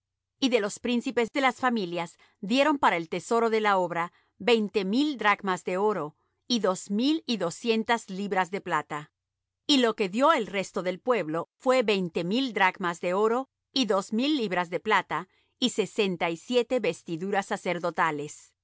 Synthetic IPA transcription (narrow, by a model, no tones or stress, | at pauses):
iðe̞lo̞spɾinsipe̞zðe̞lasfamiljaz | ðje̞ɾo̞mpaɾaelt̪e̞so̞ɾo̞ðe̞laoβɾa | be̞jnt̪e̞mild̪ɾaɡmazðe̞o̞ɾo̞ | iðo̞zmiliðo̞sje̞nt̪azliβɾazðe̞plat̪a | ilo̞ke̞ðjo̞elre̞st̪o̞ðe̞lpwe̞βlo̞fwe̞βe̞jnt̪e̞mild̪ɾaɡmazðe̞o̞ɾo̞ | iðo̞zmilːiβɾazðe̞plat̪a | ise̞se̞nt̪aisjet̪e̞βe̞st̪iðuɾasːase̞ɾðo̞t̪ale̞s